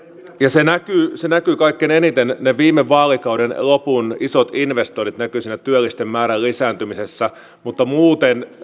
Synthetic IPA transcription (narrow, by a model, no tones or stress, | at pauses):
jɑsenækysenækykɑikːenenit̪enneʋiːmːeʋːɑːlikɑudenlopunisot̪inʋest̪onit̪nækysiːnæt̪yølːˑist̪emmæːɾællisæːnt̪ymisesːæ | mut̪ːɑmuːt̪en